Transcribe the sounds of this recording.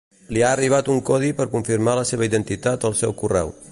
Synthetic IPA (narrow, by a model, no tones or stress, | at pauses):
liaəriβ̞at̪uŋkɔðipəɾkuɱfiɾmaləseβəiðənt̪it̪at̪əlˠsɛwkurɛ̰w